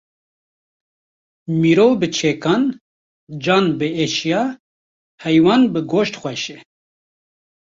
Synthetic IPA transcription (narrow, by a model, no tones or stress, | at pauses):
miːɾoːbɨt͡ʃʰeːkɑːn | d͡ʒɑːnbɨeːʃijɑː | hɛjwɑːnbɨɡoːʃt̪xʷɛʃɛ